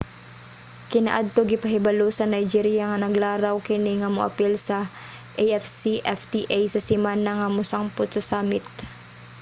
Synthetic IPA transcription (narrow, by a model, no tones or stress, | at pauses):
kɪna̰ʔad̪̚t̪oɡɪpɐɦɪbɐlosɐnɐjd͡ʒiɾjɐŋɐnɐɡlaːɾɐwkɪnɪŋɐmʊʔɐ̰pɛlsɐ | ʔɛjʔɛfsiʔɛft̪iʔajsɐsɪmaːnɐŋɐmʊsaŋpʊt̪̚sɐsaːmɪt̪̚